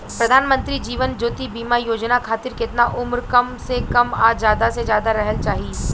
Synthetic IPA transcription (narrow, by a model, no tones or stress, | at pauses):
pɾɐd̪ʱaːnmə̃nt̪ɾid͡ʒiːʋənd͡ʒoːt̪ibiːmajoːd͡ʒnakʰaːt̪ɪɾkɪt̪naʔʊmɾkɐmsekɐmaːzjaːd̪asezjaːd̪aɾɛɦəlt͡ʃaːɦi